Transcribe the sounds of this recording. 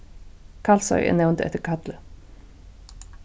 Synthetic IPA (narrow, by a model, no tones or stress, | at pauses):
kʰɑːlsɔ̰ʏʔɛ̰ːnaʊnt̪ɛ̰t̪əkʰɑd̪lə